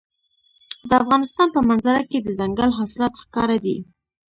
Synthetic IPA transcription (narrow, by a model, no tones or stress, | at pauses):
d̪əafɣɑnɪst̪ɑnpəmanzaɾaked̪əzaŋɡalɦɑsɪlɑt̪xkɑɾad̪ḭ